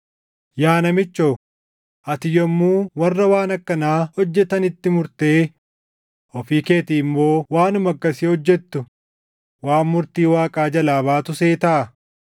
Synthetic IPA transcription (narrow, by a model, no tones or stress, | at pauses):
jaːnɐmɪt͡ʃːoː | ʔɐt̪ɪjɔmːuːwɐrːɐwaːnɐkːɐnaːhɔd͡ʒːɛt̪ɐnɪt̪ːɪmʊɾt̪e̞ː | ʔɔfiːke̞ːt̪ɪːmːo̞ːwaːnʊmɐkːɐsɪhɔd͡ʒːɛt̪ːʊ | waːnmʊɾt̪iːwaːkʼaːd͡ʒɐlaːβaːt̪ʊseːt̪ɐʔɐ